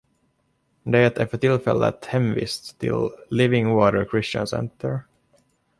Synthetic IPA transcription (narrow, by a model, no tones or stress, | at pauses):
d̪ɛɛt̪æɾfœʈɪlfɛlːə̰t̪hɛmvḭːst̪ʰːɪ̰llɪvɪŋwɑːɾəɾkʰɾɪsə̰nsɛ̰nt̪ʰəɹ